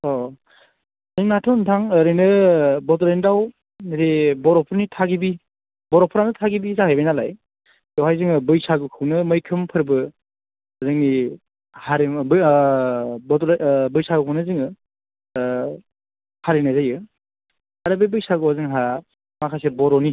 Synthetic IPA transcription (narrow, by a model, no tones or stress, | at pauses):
ɔ | ziŋnatʰɔntʰaŋɯɾɯjnɯbɔtɔɾendaw | ɾebɔɾɔpʰɯɾnitʰaɡibi | bɔɾɔpʰɯɾanɯtʰaɡibizahajbajnala̰j | dɔwhajziŋɯbɯjsaɡukʰɯwnɯmɯjkʰɯmpʰɯɾbɯ | zɯŋni | haɾebɯ | bɔtbɯjsaɡukʰɯwnɯzɯŋɯ | haɾinazajɯ | aɾɯbebɯjsaɡuɔzɯŋɦa | makʰaseɾbɔɾɔni